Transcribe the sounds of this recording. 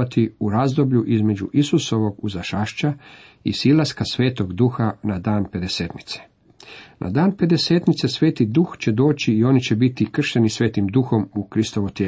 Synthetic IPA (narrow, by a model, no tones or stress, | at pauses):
at̪iuɾazd̪o̞bʎuʔizme̞d͡ʑuʔisuso̞ʋo̞ɡuzaʃaʃt͡ʃa | ḭsilˠaskasʋe̞ːt̪o̞ɡd̪uxanad̪aːnpe̞d̪e̞seːt̪ni̥t̪se̥ | nʔa̰d̪aːnpe̞d̪e̞se̞ːt̪nit̪sesʋe̞ːt̪id̪uxt͡ɕe̞d̪o̞ːt͡ɕiːo̞nit͡ɕe̞bit̪ikr̩ʃenisʋe̞ːt̪imd̪uxo̞mukɾist̪oʋot̪jeː